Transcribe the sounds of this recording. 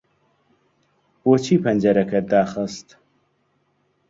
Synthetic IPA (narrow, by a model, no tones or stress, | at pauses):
boːt͡ʃʰiːpʰɐnʲd͡ʒɐɾɐkʰɐd̪aːxəst̪